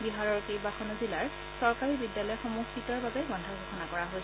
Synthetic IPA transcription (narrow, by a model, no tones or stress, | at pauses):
biɦaɹɔɹkejbaxɔnozilaɹ | sɔɹkaɹibidjalɔjxomuxitɔɹbabɛɡɔndʱaɡʱoxɔnakɔɹaɦojs